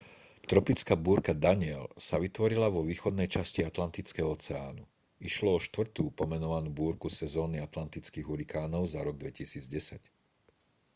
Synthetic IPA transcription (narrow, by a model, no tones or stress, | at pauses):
t̪ɾɔpit͡skaːbuːɾkad̪aɲɪɛlsaʋit̪ʋɔɾilaʋɔʋiːxɔd̪nɛjt͡ʃasciat̪lant̪it͡skɛɦɔɔt͡sɛaːnu | iʃlɔɔʃt̪ʋr̩t̪uːpɔmɛnɔʋanuːbuːɾkusɛzɔːniat̪lant̪it͡skiːɣuɾikaːnɔʊzaɾɔɡ̚d̪ʋɛcisiːd͡zɟɛsac